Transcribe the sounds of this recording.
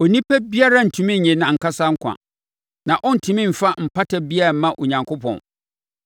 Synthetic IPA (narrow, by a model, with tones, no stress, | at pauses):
ɔ˨nĩ˦pʰɛ˦bi˦a˦ɾa˦n̩˨tʰũ˨mĩ˦˨ɲɛ̃˨nã˨ŋ̩˨kʰa˦sa˦ŋ̩˦kʷʰã̰˨ | nã˨ʔɔ̃˦n̩˨tʰũ˨mĩ˦m̩˨fa˦m̩˨pʰa˦tʰa˦bi˦a˦a˨˦mã˦ʔo˨ɲã˨ŋkʰʊ˦pʰɔ̰̃˨n